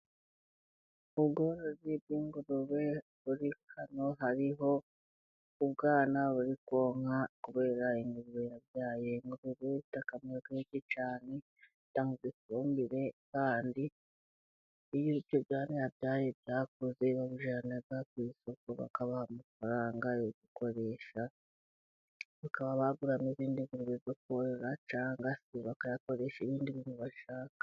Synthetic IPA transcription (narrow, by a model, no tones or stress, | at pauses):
uβɡoɾozibɡiːŋɡuɾuβe̞ | βuɾikano̞ɦaɾiɦo̞ | uβɡaːnaβuɾikwo̞ːŋ̥hakuβe̞ːɾaiŋɡuɾuβe̞jaβjaːje̞ŋɡuɾoβeitakamkaecit͡ʃaːne | taŋɡuɡisuːmbiɾe̞kaːndi | βjoβijoβjaːnejaβjaːje̞βjaːk̚ozeβaβuʒanaɡakwiso̞koβa̰kaβahamufaɾaːŋɡajoɡuko̞ɾe̞ʃa | βakaβaβaɡuɾameβiːndiβiɾuβeβjok̚uoɾeɾat͡ʃaːŋɡasiβakajako̞ɾe̞ʃeβiːndiβimuβaʃaːkḁ